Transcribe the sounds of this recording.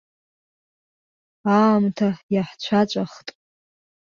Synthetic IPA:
amtʰajaħt͡ɕʷʰat͡ʃʷʼaχtʼ

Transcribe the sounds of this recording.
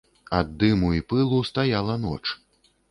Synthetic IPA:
ad̪ːɨmuipɨlˠust̪ajalˠɐnɔ̰t͡ʂ

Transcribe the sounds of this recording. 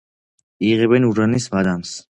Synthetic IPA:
iʁɛbɛnuɾanisvad̪ams

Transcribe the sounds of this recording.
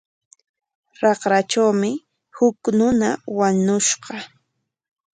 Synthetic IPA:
ɾɑqɾat͡ʃawmɪ | hʊknʊnawaɲʊʃɢɑ

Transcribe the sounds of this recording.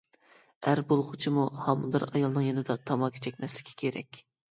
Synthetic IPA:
æɾbolˠʁʊt͡ʃʰimuhɑmd̪ɨɾɑjɑlˠnɨŋjenɨd̪ɑt̪ʰɑmɑkʲʰe̥t͡ʃʰɛkʲmɛslɪ̥kʲʰɛ̥kʲʰeɾɛ̰kʲ

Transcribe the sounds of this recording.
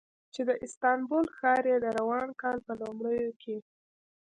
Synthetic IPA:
t͡ʃed̪əʔɪst̪ɑnbolxɑɾed̪əɾawɑnkɑlpəlomɽəjokʰe

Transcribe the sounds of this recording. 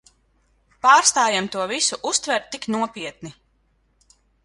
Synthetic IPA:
paːɾst̪aːjamt̪uɔvisuʔust̪vɛɾt̪̚ːiknuɔpiɛt̪̚ni

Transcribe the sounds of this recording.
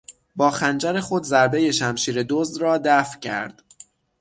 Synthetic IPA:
bɒːxænd͡ʒæɾe̞xo̞d̪zæɾbe̞je̞ʃæmʃiːɾed̪ozd̪ɾɒːd̪æfcʰæ̰ɾd̪̥

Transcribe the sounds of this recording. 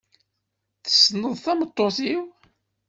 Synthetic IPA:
θə̥snəðˤθæmət̪ˤːoθiw

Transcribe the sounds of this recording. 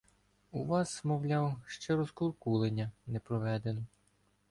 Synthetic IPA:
uʋɑsmɔwlʲɑwʃt͡ʃɛɾɔskɔrˠkulˠenʲːɐnɛpɾɔʋɛd̪enɔ

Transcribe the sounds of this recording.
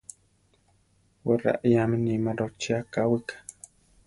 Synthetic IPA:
weɾa̰ʔijaminimaɾot͡ʃiakawikḁ

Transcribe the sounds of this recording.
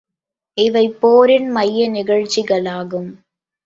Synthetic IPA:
ɪʋɐɪpːoːɾɪnmɐjːɐnɪɣɐɻt͡ʃːɪɣɐɭaːɣɯm

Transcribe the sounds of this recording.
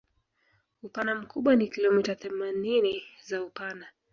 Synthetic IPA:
upanam̩kuɓwanikilɔmitaθɛmaninizaupana

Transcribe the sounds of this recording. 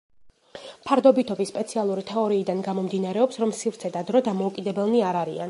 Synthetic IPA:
pʰaɾd̪ɔbit̪ʰɔbisːpʼɛt̪sʰialˠuɾit̪ʰɛɔɾiːd̪anɡamɔmd̪inaɾɛɔpsɾɔmsivɾt̪sʰɛd̪ad̪ɾɔd̪amɔukʼid̪ɛbɛlˠniaɾaɾḭan

